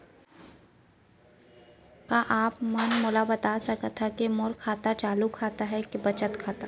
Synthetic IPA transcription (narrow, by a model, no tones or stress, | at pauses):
kaʔaːpmɐnmʊːlabɐt̪asɐkət̪ʰːakemʊɾkʰaːt̪at͡ʃaːlukʰaːt̪aɦɛkebɐt͡ʃət̪kʰaːt̪a